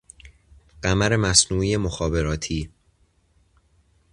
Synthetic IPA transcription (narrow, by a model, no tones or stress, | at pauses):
ɢ̥æmæɾe̞mæsnuːije̞moxɒːbe̞ɾɒːt̪ʰiː